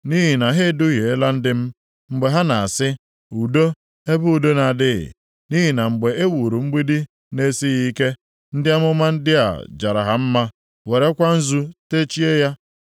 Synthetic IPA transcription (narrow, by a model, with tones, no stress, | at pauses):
ni˦ɦi˨na˨ɦe˦dʊ˦ɣje˨e˦la˦n̩˦dɪ˦m̩˦ | ŋ͡m̩˨ɡ͡be˨ɦa˦na˨a˨sɪ˦ | u˨do˦ | e˦bʊ˦u˨do˦na˨dɪ˦ɣɪ̰˨ | ni˦ɦi˨na˨ŋ͡m̩˨ɡ͡be˨e˦wu˨ɾu˨ŋ͡m̩˦ɡ͡bi˦di˦ | ne˦si˦ɣi˦ke˦ | n̩˦dɪ˦a˦mʊ˦ma˦n̩˦dɪ˦a̰˨d͡ʒa˨ɾa̰˨ɦa˦m̩˦ma˦ | we˨ɾe˦kʷa˦n̩˦zu˦te˦t͡ʃi˦e˦ja˦